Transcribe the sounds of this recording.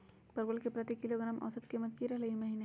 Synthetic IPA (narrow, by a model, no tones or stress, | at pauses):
pɐɾɡʊlkepɾɐt̪ikɪloɡɾaːmʔɔ̰ːsət̪kimət̪kiɾɐɦleɡimɐɦiːne